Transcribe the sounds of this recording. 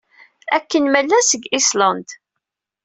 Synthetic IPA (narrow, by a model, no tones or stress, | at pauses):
ækːənmælːæsəɡislɑnd̪